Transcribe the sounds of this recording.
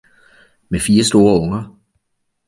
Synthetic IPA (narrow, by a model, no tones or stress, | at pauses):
mefiːɐsd̥o̝ːɐɔ̽ŋɐ